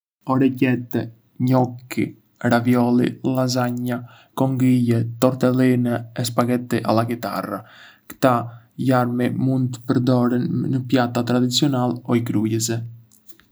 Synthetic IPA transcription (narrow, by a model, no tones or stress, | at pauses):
ɔɾɛcɛt̪ɛ | ɲɔkːḭ | ɾavjɔlˠḭlazaɲa | kɔŋɡijɛt̪ɔɾt̪ɛlinɛɛs̬paɡɛt̪iʔa̰lˠakit̪a̰ra | kt̪a | jaɾmimund̪t̪ə̥pəɾd̪ɔɾɛnːəpjat̪at̪ɾad̪it͡siɔnalɔikɾujəzɛ